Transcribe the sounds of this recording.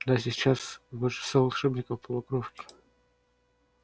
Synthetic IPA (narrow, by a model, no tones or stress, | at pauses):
d̪asʲɪt͡ɕasboʂɨ̥st̪avɐlˠʂɛbnʲɪkəfpəlˠɐkɾofkʲɪ̥